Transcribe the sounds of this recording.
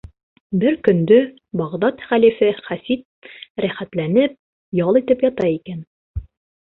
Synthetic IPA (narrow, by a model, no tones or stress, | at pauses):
bɘɾkɵ̆nd̪ɵ | bɑʁd̪ɑt̪χælifɘχæsit̪̚ɾæχæt̪lænɘp̚ | jɑlˠit̪ɘpjɒt̪ɑikæn